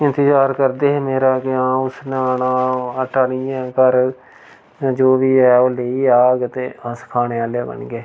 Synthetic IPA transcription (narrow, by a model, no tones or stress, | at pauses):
ɪnt̪ɪd͡ʒaːɾkəɾd̪eːɦemeːɾaːkɪãːʊsnanãːəʈaɽɪjãːkəɾ | d͡ʒoːʋiːɛːoːleːiːaːɡt̪eːaskʰaːneːaːleːbə̰nɡeː